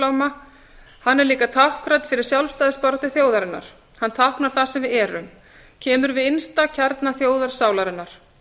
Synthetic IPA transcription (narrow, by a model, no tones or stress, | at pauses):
awma | hanːɛɾliːkat̪ʰahkɾajt̪fɪɾɪɾ̥sjalvfst̪ajðɪspɔɾt̪ʏθjoːwðaɾɪnːa̰ɾ̥ | hant̪ʰawhknaɾ̥θasɛmvɪðɛːɾʏ̰m | cʰɛːmʏɾvɪðɪnst̪acʰɛɾt̪naθjoːwðaɾ̥saːwlaɾɪnːaɾ̥